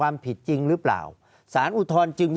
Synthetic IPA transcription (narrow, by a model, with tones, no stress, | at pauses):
waː˧mpʰi˨˩t̪̚t͡ɕi˧ŋɾɯ˦˥pla̰ː˨˩w | saː˩˦nʔu˧t̪ʰɔː˧nt͡ɕɯ˧ŋ